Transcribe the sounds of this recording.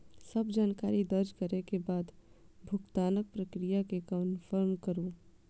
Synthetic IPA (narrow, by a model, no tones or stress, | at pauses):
səbd͡ʒaːnkaːɾid̪əɾd͡ʒkəɾekebaːd̪ | bʱʊkt̪aːnək̚pɾəkɾijakekənfʰəɾmkəɾuː